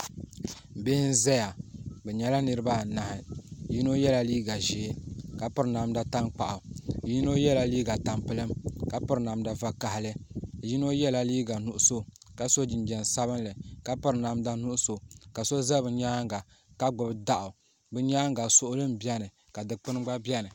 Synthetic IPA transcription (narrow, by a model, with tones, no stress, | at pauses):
bɪ˦hɪ˦n̩˦zɛ˦ja˨bɛ˨ɲɛ˨la˦nɨ˦ɾɨ˦ba˦˨na˨hɪ˨ji˦no˦jɛ˦la˨liː˦ɡa˨ʒe˨˦ka˨pɨ˦ɾna˨mda˦ta˦ŋk͡pa˨ʔa˨ji˦no˦jɛ˦la˨liː˦ɡa˨ta˨mpɨ˦lɨ˦mka˨pʊ˦ɾna˨mda˨va˦ka˨hɪ˦lɨ˦˨ji˦no˦jɛ˦la˨liː˦ɡa˨nu˦ʔʊ˦so˦ | ka˨so˦d͡ʒɪ˨nd͡ʒɛ˨n˨sa˦βɨ˦nlɨ˨ka˦pɨ˦ɾna˨mda˦nu˦ʔʊ˦so˨ka˨so˦za˦bɨ˨ɲaː˦ŋ˦ɡa˨ | ka˦ɡ͡bʊ˨bda˦ʔʊ˨ | bɨ˦ɲa˦ŋɡa˨sʊ˦ʔʊ˦lɨ˦m˦bi˦ɛ˦nɨ˨ | ka˨dɨ˨k͡pɨ˦nɨ˦ɡ͡ba˦bɛ˦nɨ˨